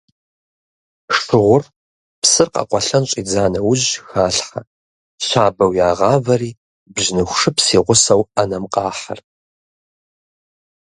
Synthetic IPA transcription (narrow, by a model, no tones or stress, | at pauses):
ʂtʰɨʁʷʊr | psɨrqɑ̰qʷʼɔɬɐnɕʼiːd͡zaːnɐwʊʑxaːɬħɐ | ɕaːbɐwjaːʁɑːvɐriː | bʑnɨxʷʂɨpsiːʁʷʊsɐwɐnɐmqʼɑːħɐ̰r